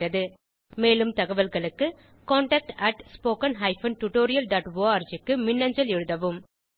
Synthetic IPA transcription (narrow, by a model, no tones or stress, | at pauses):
ɾɐðɯ | meːlɯmt̪ɐɣɐʋɐlɣɐɭɯkːɯ | koːɳʈɐk̚ʈɐʈspoːkɐnɦɐɪfɐnʈʊʈoːɾɪjɐlɖaːʈʋoːɐːɾd͡ʒɪkːɯmɪnːɐɲd͡ʒɐlɛɻɯðɐʋɯm